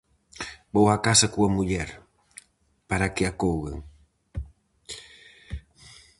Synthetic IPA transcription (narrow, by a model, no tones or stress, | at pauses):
bowakasɐkuɐmuʎɛɾ | paɾakeakowɣḛŋ